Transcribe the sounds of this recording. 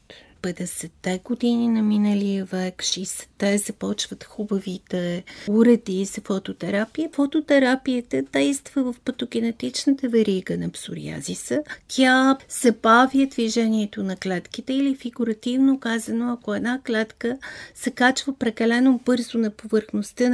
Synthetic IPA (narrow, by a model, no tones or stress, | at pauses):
pɛd̪ɛsɛt̪ːɛɡod̪ininɐminəliəvɛkʃisɛ̥t̪ːɛzɐpɔt͡ʃvət̪xubəvit̪ɛuɾɛd̪iz̥ɐfot̪ot̪ɛɾapijəfot̪ot̪ɛɾapiət̪əd̪̥ɛjst̪vəvəfpɐt̪oɡ̟ʲɛnɛt̪it͡ʃnət̪əvɛɾiɡənɐpsuɾḭa̰zisət̪ʲjaz̥ɐbavjəd̪viʒɛniɛt̪onɐklɛt̪kit̪ɛilifiɡuɾɐt̪ivnokazənoɐkoɛd̪naklɛt̪kəsɛkat͡ʃvəpɾɛkɐlɛnobɤɾzonɐpovəɾxnost̪ə